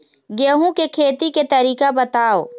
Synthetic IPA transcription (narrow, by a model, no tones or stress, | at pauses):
ɡəɦũkekʰeːt̪iket̪ɐɾiːkabɐt̪aːoː